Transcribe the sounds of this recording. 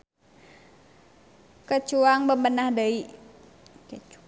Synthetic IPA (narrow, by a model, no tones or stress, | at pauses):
kət͡ʃuaŋbəmbənahdəi | kə